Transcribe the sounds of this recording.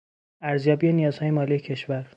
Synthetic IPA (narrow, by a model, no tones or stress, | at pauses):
æɾzjɒːbiːenijɒːz̥hɒːje̞mɒːlijecʰe̞ʃvæɾ